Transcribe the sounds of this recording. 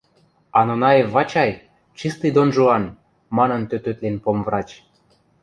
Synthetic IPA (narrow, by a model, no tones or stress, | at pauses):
ɑnonɑjevːɑt͡ɕɑj | t͡ɕist̪ɨjd̪onʒuɑn | mɑnɤ̆nt̪øt̪øt̪lenpomvrɑt͡ɕ